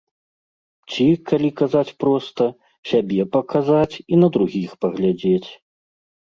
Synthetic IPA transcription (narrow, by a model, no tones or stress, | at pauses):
t͡sʲikalʲikazat͡sʲpɾɔst̪ɐ | sʲabʲɛpɐkazat͡sʲinɐd̪ɾuɣʲixpɐɣlʲad͡zʲet͡sʲ